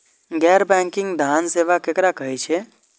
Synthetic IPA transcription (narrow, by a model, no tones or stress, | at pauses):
ɡɛːɾbɛ̃ŋkɪ̃ŋɡd̪ʱanseʋakekɾakəɦet͡ʃʰe